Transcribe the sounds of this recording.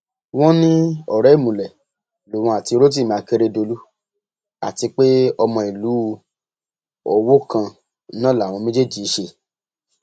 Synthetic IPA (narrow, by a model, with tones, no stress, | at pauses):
w̃ɔ̃˦nĩ˦ɔ˦˨ɾɛ˨˦i˦˨mũ˨lɛ˨ | lo˨w̃ɔ̃˧a˨ti˧˦ɾo˦t̬i˦˨mã˨˧ke˧ɾe˧do˧lu˦ | a̰˨ti˧k͡pe˦ɔ˧mɔ̃˧i˨lu˨˦˧ | ɔ˧wo˦kã˧ | nã˦˨lã˨ɔ̃˧mẽ˦d͡ʒe˦˨d͡ʒi˨˦ʃe˧